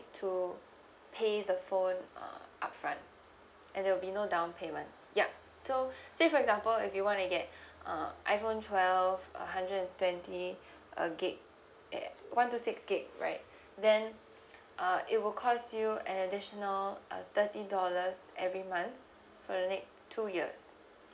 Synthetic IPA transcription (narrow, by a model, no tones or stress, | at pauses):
tʰu | pʰeðəfõnʌ̰ʔapfɹã̰nt | ʔɛ̃ndɛwɪlbinodãʊ̃npʰemə̃nt | ja | sosefɔɹɛɡzãmpəlɪfjuwɔ̃ntuɡɛt̚ʔʌ̃ʔa̰ɪjfõntʰwɛlvə̰ɦãndɹədɛ̃ntwɛ̃nti | ʔə̰ɡet̚ | wãntusɪksɡ̥et̚ɹa̰ɪt̚ | ðɛ̃n | ʔʌʔɪt̚wɪlkʰɔsjuɛ̃nədɪʃənəlʔʌ̰t̪ətidɔləzʔɛvɹimãnθ | fɔdənɛkstʰujiəs